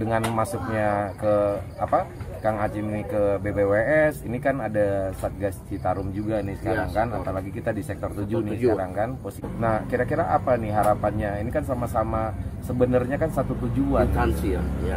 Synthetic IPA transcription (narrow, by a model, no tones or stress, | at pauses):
dəŋanmasʊk̚ɲakəapakaŋat͡ʃɪminikəbebeweɛsinikanadasat̪̚ɡast͡ʃit̪aɾʊmd͡ʒuɡanɪsə̥kaɾaŋkanapalaɡikit̪adisɛk̚t̪ɔrt̪ud͡ʒunɪsəkaɾaŋkanposinahkiɾakiɾaʔapanɪɦaɾapanɲainikansamasamasəbənərɲakansat̪ut̪ud͡ʒuanansiaja